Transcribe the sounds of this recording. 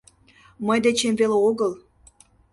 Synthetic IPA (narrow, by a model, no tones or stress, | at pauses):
məjd̪et͡ɕemveleoɣəl